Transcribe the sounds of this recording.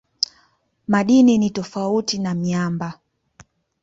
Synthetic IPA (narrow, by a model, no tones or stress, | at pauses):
maɗininitɔfautinamiamba